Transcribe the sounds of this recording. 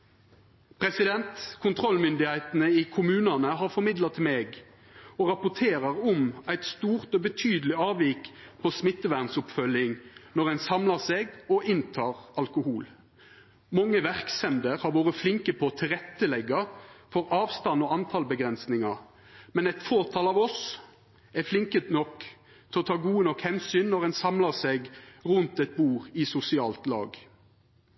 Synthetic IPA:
pʰɾɛsɪd̪ɛnt̪kʰʊnt̪ʰʁɔlmʏnd̪ɪhæɪt̪nəikʰʊmʉːnɑnəɦɑʁfɔɾmɪd̪lɑt̪ʰmeːɡ | oːʁɑpʊt̪ʰeːʁəʁɔmæɪt̪st̪uːʁt̪oːbət̪ʰyːd̪lɪɑːʋiːkpʰosmɪt̪ːəʋæʁnsʊpfœlɪŋnɔʁɛnsɑmlɑseːɡɔʔɪnt̪ʰɑːʁɑlkʊhuːl | mɑŋːəʋæʁksɛnd̪əɾhɑɾʋoːɾəflɪŋkəpʰɔt̪ʰɪlʁɛt̪ːəlɛɡːɑfɔʁɑːʋst̪ɑnɔːɑnt̪ʰɑlbəɡʁɛnsnɪŋɑ | mɛnɛt̪foːʁt̪ʰɑːlɑːʋɔs | ɛflɪŋkət̪nɔk | t̪ʰɛɔt̪ʰɑːɡuːənɔkhɛnsyːnnːɔʁɛnsɑmlɑseːɡʁʉnt̪ɛt̪̚buːʁɪsʊsɪɑːlt̪lɑ̰ːɡ

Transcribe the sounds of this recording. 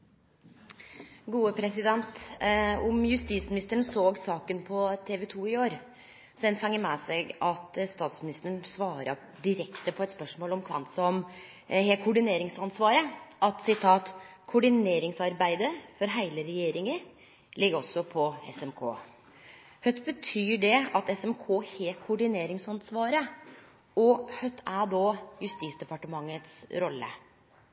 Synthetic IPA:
ɡuːəpʰɾɛsɪd̪ɛnt̪ | ʊmjʉst̪iːsmɪnɪst̪əɳsoːɡsɑːkənpʰɔt̪ʰeːʋɛt̪ʰuːɪoːɾ | sɔd̪ɛnfɑŋːəmɛːseɡɑt̪st̪ɑːt̪smɪnɪst̪əɳsʋɑːɾɑ̰ | d̪ɪɾɛkt̪əpʰɔɛt̪spœʂmoːlɔmkʰʋɑ̰nt̪sɔɔm | ɦekʰʊɖɪneːɾɪŋsɑnsʋɑːɾəʔɑt̪sɪt̪ʰɑːt̪kʰʊɖɪneːɾɪŋsɑɾbæɪd̪əfɔɾɦæɪləɾɛjeːɾɪŋə | lɪɡəɔsːɔpʰɔɛ̰sɛmkʰo̰ː | hœt̪bət̪ʰyːɖɛɑt̪ɛsɛmkʰoːheːkʰʊɖɪneːɾɪŋsɑnsʋɑːɾə | ɔhœt̪ʰːæɖɔjʉst̪iːsd̪ɛpɑʈəmɑŋːət̪sɾɔlːə̰

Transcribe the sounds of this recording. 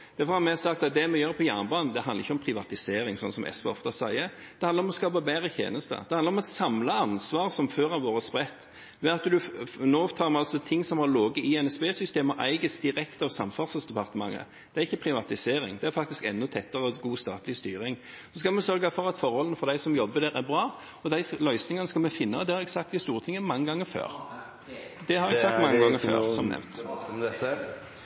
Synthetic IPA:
d̪̥æɾfɔɾhɑmɛsɑkt̪ɑt̪̚d̪ɛmɛjøːɾpʰɔjæːʁnbɑːnn̩d̪ɛhɑnd̪əʁɪçːəɔmpʰɾɪʋɑt̪ɪseːɾɪŋsɔnsɔmʔɛ̰sʋɛ̰ɔ̰ft̪ɑsæɪə | d̪̥ɛhɑnd̪əɾɔmɔskɑːbɑbæːɾət̪ʰḛːnəst̪ə̰d̪ɛhɑnɾɔmɔsɑmlɑɑnsʋɑːʁsɔmføːɾɑʋʋoːɾəspɾɛt̪ː | ʋɛɑt̪d̪ʉnoːt̪ʰɑːɾmɛɑlsɔt̪ʰɪŋːsɔmhɑɾloːɡəɪɛnɛsbeːsʏst̪eːməʔæ̰ɪɡəsd̪ɪɾɛkt̪ɑʋsɑmfɑʁsəsd̪ɛpɑʁt̪əmɑ̰ŋːə̰ | d̪ɛæɾɪçːəpʰɾɪʋɑt̪ɪseːɾɪ̰ŋd̪ɛæɾfɑk̚t̪ɪskɛ̰nːʊt̪ʰɛt̪ːəɾəɡuːst̪ɑ̰ːt̪lɪst̪yːɾɪŋ | ɔsɔskɑlmɛsœɾɡɑfɔɾɑt̪fɔɾhɔlnəfɔɾd̪æɪsɔmjɔbːəd̪ɛːɾæɾbɾɑː | ɔd̪æɪslœʏsnɪŋɑnəskɑlmɛfɪnːəɑd̪ɛːɾɛksɑkt̪ɡɪst̪uːɾət̪ʰɪŋːəmɑŋːəɡɑŋːəfø̰ːɾ | d̪ɛhɑɾʋɛsɑkt̪mɑŋːəɡɑŋːəfø̰ːʁsɔmnɛ̰mt̪

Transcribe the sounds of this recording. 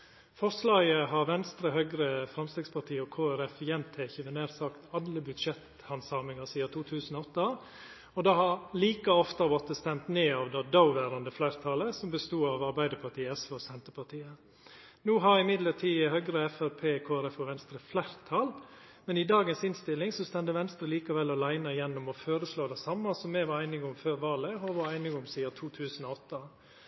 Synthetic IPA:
fɔɾslɑːɡəɦɑɾʋɛnst̪ɾəɦœɡɾəfɾɑmst̪ɛɡspʰɑt̪ʰiːəɔkʰoːæɾɛfjɛnt̪ʰæɪçəʋɛneːɾsɑkt̪ɑlːəbʉd̪ʂɛt̪ | hɑnsɑːmɪŋəsiːɑt̪ʰuːt̪ʰʉːsənɔɔt̪ːɑ | ɔd̪ɑhɑɾliːkəɔft̪əʋɔt̪əst̪ɛmt̪neːɑʋd̪ɑd̪ɑʊʋæːɾɑnd̪əflæɾt̪ʰɑːləsɔmbəst̪uːɑʋɑɾbæɪd̪əɾpʰɑt̪iːɛsʋɑsɛnt̪əɾpʰɑt̪ʰiːə | nuːɦɑɾɪmɪd̪lət̪ʰiːhœɡɾəɛfæɾpʰeːkʰoːæɾɛfɔʋɛnst̪ɾəflæɪɾt̪ʰɑl | mɛnɪd̪ɑːɡənsɪnst̪ɪlːɪŋsɔst̪ɛnd̪əʋɛnst̪ɾəliːkɑʋɛlːɔlæɪnɑjɛnːʊmɔføːɾəsloːd̪ɛsɑmːɑsɔmːɛʋɑæɪnɪɡʊmføːɾʋɑːləɔʋɑɾæɪnɪɡʊmsiːɑt̪ʰuːt̪ʰʉːsənɔɔt̪ːɑ

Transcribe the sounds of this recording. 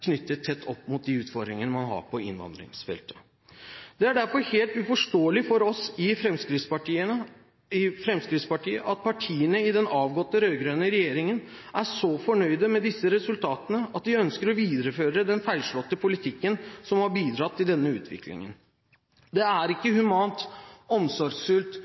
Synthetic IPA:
kʰnʏt̪ːət̪ʰːɛt̪ʰːɔpːmʊt̪̚d̪ɪʉːt̪fɔɾd̪ɾɪŋənəmɑnɦɑ̰ɾpʰɔɪ̰nːʋɑ̰nd̪ɾɪ̰ŋsfɛ̰lt̪ʰə̥ | d̪̥ɛæɖæɾfɔɾheːlt̪ʉfɔʂʈoːəlɪfɔɾɔsɪfɾɛmskɾɪt̪spɑʈiːəə | ɪfɾɛmskɾɪt̪spɑʈiːəʔɑt̪̚pʰɑʈʰiːənəɪd̪ɛnɑːʋɡɔt̪ːəɾœʏɡɾøːnəɾɛjeːɾɪŋən | ʔæʂɔfɔɳœʏd̪əmɛd̪ɪsːəɾɛsʉlt̪ʰɑːt̪ənəɑt̪ʋɪœnskəɾɔʋiːd̪əɾəføːɾəd̪ɛnfæɪlʂɭɔt̪ːəpʰʊlɪt̪ʰɪkːənsɔmhɑɾbiːd̪ɾɑt̪ʰːɪld̪ɛnːəʉ̰ːt̪ʰʋɪ̰klɪ̰ŋə̰n | d̪ɛæɾɪkːəhʉmɑːnt̪ɔmsɔɾɡsfʉlt̪

